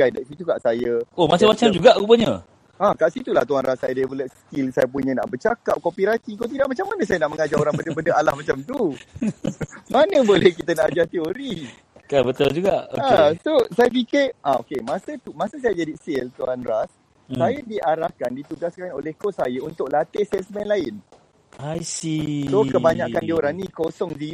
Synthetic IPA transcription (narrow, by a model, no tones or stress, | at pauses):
ajdaʔsit̪ukaʔsajəomat͡ʃamat͡ʃamd͡ʒuɡaʔupəɲə̃ | akaʔsit̪ula̰ht̪uɦanrasːajadbulɛst̪ilsajəp̬uɲə̃na̰ʔbət͡ʃaka̰p̚kɔmpiɾasikot̪̬idaʔmat͡ʃamːanə̃sajənaʔməŋad͡ʒaoɾaŋbəndəbəndəalahmat͡ʃamt̪u | manə̃bolɛhkit̪ənaʔad͡ʒaht̪eoɾi | kabət̪ʊld͡ʒuɡaʔasosajap̬ikɪrʔao̰kemãsət̪umãsəs̬ajad͡ʒadisɪlt̪uandɾas | sajədiʔaɾahkandit̪uɡaskanolehkoʔsajəunt̪ʊk̚lat̪esɛsmɛnlaɪn | ajsisokəbaɲaʔkandioɾaŋnikosɔŋdi